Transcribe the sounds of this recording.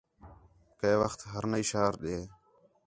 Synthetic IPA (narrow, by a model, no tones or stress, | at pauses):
keːʋəxt̪ɦəɾnəiːʃaːɾɗeː